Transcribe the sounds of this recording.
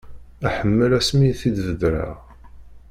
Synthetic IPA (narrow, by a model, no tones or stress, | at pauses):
æħəmːəlæsmiθid̪vəd̪ɾa̰ʁ